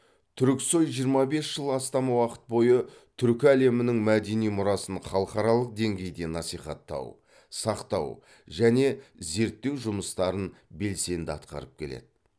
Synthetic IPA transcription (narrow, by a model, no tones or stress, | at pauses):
t̪ʰʏɾɪkso̞jʒijəɾmɑbe̞sʒəlˠɑst̪ɑmɑwɑqə̥t̪̚bo̞jə | t̪ʰʏɾkʲɪæle̞mɪnɪŋmæd̪e̞nijmʊɾɑsənχɑlˠəqɑɾɑlˠəq̚d̪e̞ŋɡʲe̞jd̪e̞nɑsijχɑ̰t̪ːɑ̰w | sɑqt̪ɑ̰w | ʒæne̞ze̞ɾt̪ːe̞wʒʊməst̪ɑɾənbe̞lse̞nd̪ɪɑt̪qɑ̰ɾəp̚kʲʰe̞̰lḛd̪̥ɪ